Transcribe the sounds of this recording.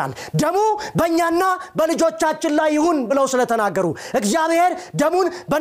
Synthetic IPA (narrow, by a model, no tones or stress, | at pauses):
a̰ld̪əmubəɨɲːanːabəlɨd͡ʒo̞t͡ʃːat͡ʃːɪnlajːɪhunbɨləwsɨlət̪ʰənaɡːəɾuʔɨkzjaβhe̞ɾd̪əmunbə